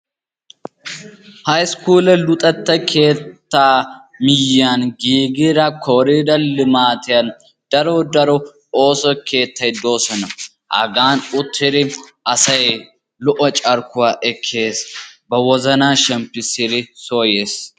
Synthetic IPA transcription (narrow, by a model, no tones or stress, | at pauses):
hɐjskuːlɛlʊt̪ʼɐt̪ːɐkʰe̞ːt̪ːaːmɪjːanɡiːɡɪɾɐkʰɔɾid̪ɐlɪmaːt̪ɪjɐn | d̪̥ɐɾɔd̪ɐɾɔ | oːsɔkʰe̞ːt̪ːɐjd̪o̞ːsɐnɐ | hɐ̰ɡaːnʊt̪ʰːɪd̪ɪʔɐsɐj | lɔʔɔt͡ʃʼɐɾkʊwaːʔɛkʰːeːsbɐwɔzɐnaːʃɛmpːɪsɪd̪ɪsoːjeːs